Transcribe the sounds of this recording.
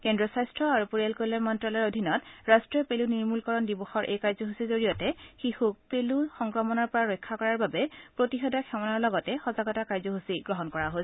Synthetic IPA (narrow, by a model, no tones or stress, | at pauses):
kɛndɹɔsajstɹɔaɹupuɹijalkolɛmɔntɹalɔɹodʱinɔtɹastɹijɔpeluniɹmulkɔɹɔndibɔxɔɹʔḛjkaɹzɔɦusizoɹijɔtɛxixuk̚peluxɔŋkɹɔmɔnɔɹpɔɹaɹɔjkʰːakɔɹaɹbabɛpɹotixɔdaxʰɛmɔnaɹlɔɡɔtɛxɔzaɡɔtakaɹzɔɦusiɡɹɔɦɔnkɔɹaɦosɛ